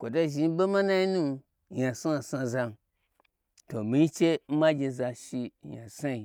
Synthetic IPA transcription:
kʷo˨to˦ʒi˨˧n˦be˦ma˦na˦i˦nũ˦˧ | ja˨sa˦a˨sa˧za˧ | to˨mi˨ɲi˦t͡ʃe˦m̩˦ma˦ɡʲe˧za˧ʃi˧ja̰˨sa˦i˧

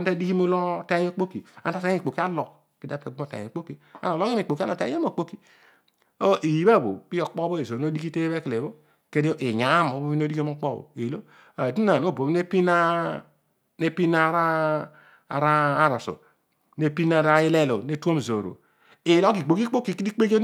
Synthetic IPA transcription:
a˦n˦ta˦di˦ki˦m˦o˦lo˦te˦o˦k͡po˦ki˨a̰˨n˦ta˦ta˦i˨k͡po˨ki˦a˦lo˨k | ki˨da˨˦pe˨ɡ͡bo˨ta̰˨o˨k͡po˦ki˨a̰˨no˨lo˦ki˦mi˨k͡po˨ki˦a˦no˨tḛ˨˦e˦m˦o˨k͡po˦ki˨ | o˦ʔi˨ji˨ba˦˨bo̰˨pi˦o˨k͡po˦bo˦e˨zo˨no˦di˦ki˦te˦βe˦kle˨βo˦ | ke˦di˦o˦ʔe˨ɲa˨˦mo˨˦bo˦i˦no˦di˦ke˦mo˦k͡po˦bo̰˨e˨lo˦ | a˨di˦na˨n˦o˦˨bo˨bi˦ne˦pi˦na˦ | ne˦pi˦na˦ɾa̰˦˨ | ɾaː˦ɾa˨so̰˨ | ne˦pi˦na˦ɾa˦ji˦le˦lo˨ne˦tu˦o˦m˨zo˨ɾo̰˨ | e˨lo˦ki˨k͡po˨ki˦k͡po˦ki˨ki˦di˦k͡pe˦ɡe˦

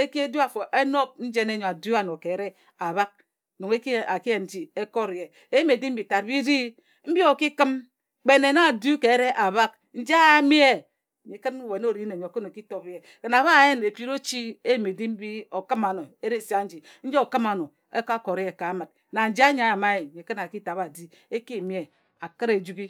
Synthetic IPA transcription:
e˦ki˦e˦du˦a˨fo˨ʔe˦no˦k̚n̩˦d͡ʒe˦ne˦ɲo˨a˨du˦a˨no˨ke˨˦ɾe˦ | a˨βa˦k̚ | no˨ŋe˦ki˦˨a˨ki˦e˨n̩˦d͡ʒi˦e˦ko˦ɾe˨ | e˦me˨di˦m̩˦bi˨ta˨ɾ̚bi˦di˦ | m̩˦bi˦o˨ki˦kɨ˦m | k͡pe˦ne˨na˦˨du˦ke˨˦ɾe˦ʔa˨βa˦k | n̩˦d͡ʒi˦a˦a˦mi˦e˦˨ | mi˨kɨ˦n˦we˨n˦o˦˨ɾi˦ne˨ɲo˨ko˦no˨ki˦to˦pi˦je˨ | ke˨na˨βa˦˨je˦ne˨pi˦ɾo˦t͡ʃi˦e˦jme˨di˦m̩˦bi˦o˨kɨ˦ma˨no˨e˦ɾe˦˨sa˦n̩˦d͡ʒi˨n̩˦d͡ʒe˦o˨kɨ˦ma˨no˨ | e˦ka˦ko˨ɾje˨ka˨˦mɨ˨t̚ | na˨n̩˨d͡ʒi˦a˦ɲa˨a˨ma˦e˨i˨kɨ˦na˨ki˦ta˨ba˨di˦ | e˦ki˦˨mi˦e˨ | a˨kɨ˦ɾe˨d͡ʒu˦i˦

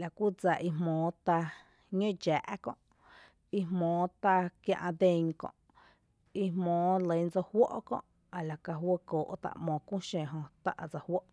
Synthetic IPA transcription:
la˨kʷu˦d͡za˧˨ʔi˧ɦmɔ̃ː˨˦t̪a˧ | ɲõ˦d͡ʒaː˨ʔkɔ̰̃˧ʔ | i˧ɦmɔ̃ː˨˦t̪a˧kjã˧ʔã˧d̪ẽ˧ŋkɔ̰̃˧˨ʔ | i˧hmɔ̃ː˨˦lə˨˦n˦d͡zo˧hwo˦ʔkɔ̰̃˧ʔ | a˨la˨ka˧ɦwə˦koː˨ʔt̪a̰˧˨ʔmɔ̃˨kʷũ˦ʃẽ˨ɦõ˧t̪a˦ʔa˧d͡za˧˨hwo˦ʔ

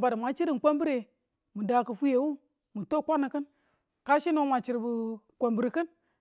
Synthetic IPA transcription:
ba˨dmʷa˨t͡ʃi˦ɾi˨kʷo˦mbi˦ɾe˨ | mu˨da˨kɨ˨fu˦je˨wu˦ | mu˨to˦˨kʷa˦na˨kɨ˦n | ka˦ʃi˦no˦ma˨t͡ʃi˨ɾbu˨kʷo˨mbi˨ɾkɨ˦n

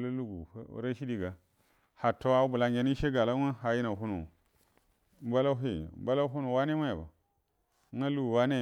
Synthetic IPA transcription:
lu˦lu˦ɡu˨˦ṵ˦ɾa˦ʃi˦di˦ɡa˨ | ha˨to˦a˦bu˨la˨ŋɡʲe˦ni˦ʃe˦ɡa˨la˦a˦ɦa˨ji˦na˨ɦu˦nu˨ | mba˦la˦ɦe˦˨m˦ba˦la˦ɦu˦nu˨wa˦ne˦ma˦ja˨ba̰˨˦ | ŋa˦lu˦ɡu˨wa˦ne˦

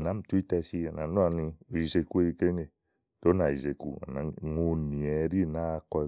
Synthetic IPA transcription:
na˨˦m̩˦tu˦i˦tɛ˧si˦a˨na˨nu˦a˨ni˧ɾi˨ze˨ku˦e˦i˧ke˦ŋe˨ | to˦na˨i˨ze˨ku˨a̰˨na˨ŋo˨ni˨ɛ˨˦ɾi˦˨na˦˧kɔ˧˨˦

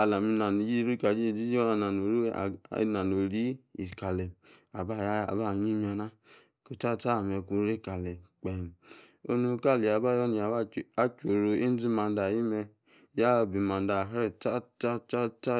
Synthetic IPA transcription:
a˨la˨mi˧na˨ni˨d͡ʒi˦ɾu˦˨ka˨d͡ʒi˦˨di˦d͡ʒa˨na˨no˨ɾḭ˦˨˦na˨no˨ɾi˦i˨ka˨lɛ˨a˨ba˦˨ja˨ba˦˨ɲi˦mi˦a˧na˦ | ko˨ta˦˨ta˦˨mɛ˧ku˧˦ɾe˦˨ka˨lɛ˨k͡pɛ˨m˨ | o˦nu˧˨ka˦˨le˨a˨ba˦jɔ˦ni˨a˨ba˦t͡ʃo˨ɾo˧e˦n˦d͡zi˦ma˧n˦da˨ji˦mɛ˧ | ja˦˨bi˨ma˨n˦da˨ɦɛ˦˨ta˦ta˦ta˦ta˦

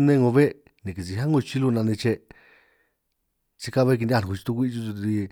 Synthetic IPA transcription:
nẽ˦˧ŋõ˧βe˦ | nĩ˨k̬i˨t͡si˧ɦa˦ŋõ˧t͡ʃi˦lu˧nã˧nẽ˧t͡ʃe˧ | t͡ʃi˧ka˦βe˦k̬i˧nd̪ʲũ˧˨u˧t͡ʃi̥˧t̪u˧kʷi˦˧t͡ʃu˧t̪u˧i˧

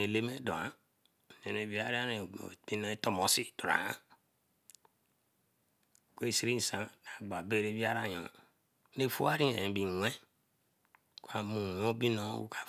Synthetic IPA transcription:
e˨le˦me˦dɔ˨a˦˨ | ne˨ne˨vi˦a˦ɾi˦a˦ɾḛ˨b̥i˦no˦e˦to˦mo˨˦si˦du˨ɾa̰˨a˦˨ | kʷe˦˨si˦ɾi˦n˨sã˨˦ka˨ɡ͡ba˨be˦ɾe˦vi˦a˦ɾa˦ɲõ˨˦ | ne˦˨fu˦a˦ɾi˦e˨ẽ˨bi˨˦ẽ˦ | kʷa˨mũ˨wõ˦bi˦nõ˦wṵ˦kʰa˨

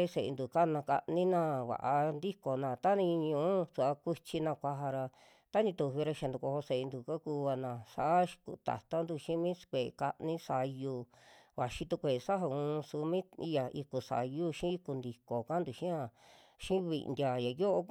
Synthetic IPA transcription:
e˦˧se˨ḛ˧nd̪u˨ka˦nã˧ka̰˧ʔnĩ˦nã˧βa̰˨ʔa˧nd̪i˦ko˨nã˧˨t̪a˦nĩ˧ɲũ˧˨˦su˧˨a˧kʷi˧t͡ʃi˧nã˧kʷa˧ɦa˧ɾa˧ | t̪a˦nĩ˧t̪u˧˨βi˧ɾa˧ʃa˧nd̪u˨ko˧ho˧se˨ʔe˧nd̪u˨ka˦ku˧βa˧nã˨sa˧˨ʔa˦ʃkṵ˧t̪a̰˨t̪a˦nd̪u˧ʃĩ˦mĩ˦kʷe˨ka˧ʔnĩ˦sa˧ju˧βa˨ʃi˧t̪u˧kʷe˨˧sa˦ɦa˧˨ũː˧su˧mĩ˦i˧ja˨i˧ku˨sa̰˨ju˦ʃĩ˦i˧ku˧nd̪i˨ko˨ka˦nd̪u˨ʃĩ˦a˧˨ | ʃĩ˦βḭ˧˨˧ndʲa˨ja˨jo˦ʔo˧

